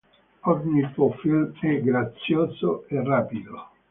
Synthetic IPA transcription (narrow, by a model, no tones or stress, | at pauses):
ɔrɲipofilɛɡɾat̪sːjoːsoerːaːpid̪o